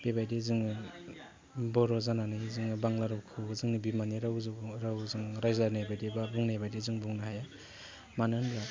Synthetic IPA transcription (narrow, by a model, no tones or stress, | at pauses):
b̥ebajdizɯŋɯ | bɔɾɔzananijzɯŋɯbaŋlaɾɯwkʰɯzɯŋnibimaniɾaɾawzɯŋɾajzaɾnajbajdibabuŋnajbajdizɯŋbuŋnaɦaja | manɯnbɾa